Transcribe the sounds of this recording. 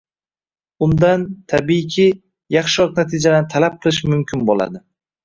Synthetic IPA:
ʊnd̪ant̪ʰabikʲʰi | jɑχʃɪɾɒqnat̪ʰɪd͡ʒad̪anɪt̪ʰalap̚qʰɨlˠɪʃmʊmkʲʰɪnbola̰d̪ɪ

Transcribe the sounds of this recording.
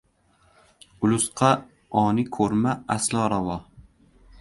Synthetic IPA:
ʊlʊsqʰɑ | ɒnɪkʰɵɾmaaslˠɒːɾavɒ

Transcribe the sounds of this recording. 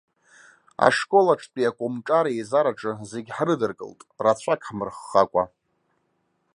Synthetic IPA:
a̰ʂkʼo̞laʈ͡ʂʰpʼiakʷʼomʈ͡ʂʼaɾaezaɾaʈ͡ʂʼɨze̞ɡʲħrɨdɨrkʼɨ̰ltʼrat͡ɕʷʰakʰʼħmɨrχːakʷʼa

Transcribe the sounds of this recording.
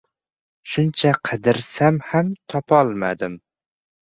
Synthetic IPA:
ʃʊnt͡ʃʰaqʰɨd̪ɪɾsamhamt̪ʰɒpʰɒlˠma̰d̪ɪm

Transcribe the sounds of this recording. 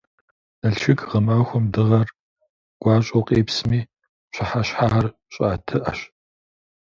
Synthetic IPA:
nɐɬʃɪkʰʼʁɐmaːxʷʊmdɨʁɐr | ɡ̥ʷɑːɕʼoqʼeːpsmiː | ɕʰɐħaɕħaːʁɐr | ɕʼaːtʰɨʔɐ̰ɕ

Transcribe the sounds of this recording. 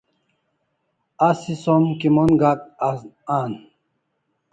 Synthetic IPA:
asisomkimonɡak̚aan

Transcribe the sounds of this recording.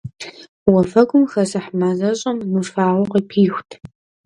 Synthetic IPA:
wɐfɐɡʷʊmxɐsɨħmazɐɕʼɐmnuʂfaːʁʷʊqəpʰiːxʷtʰ

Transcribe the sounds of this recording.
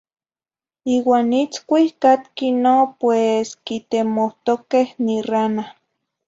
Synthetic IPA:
iːwaːnit͡skʷihkat̪̚kinopweskit̪emoht̪okehnirana

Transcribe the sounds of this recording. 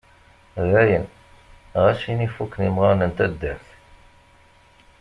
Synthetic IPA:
ðæjən | ʁæʃinifukːnimʁɑnənt̪æd̪ːæɾθ

